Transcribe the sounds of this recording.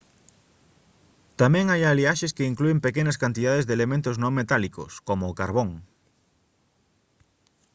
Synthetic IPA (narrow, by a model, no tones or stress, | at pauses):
t̪amɛ̃ŋajaliaʃeskeiŋkluempekenaskant̪iðaðezðelemẽnt̪ʊznõŋmet̪aliko̰skomoːkaɾβ̞oŋ